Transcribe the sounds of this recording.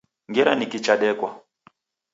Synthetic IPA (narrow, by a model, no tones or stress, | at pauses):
ŋɡɛɾanikit͡ʃaɗɛkwa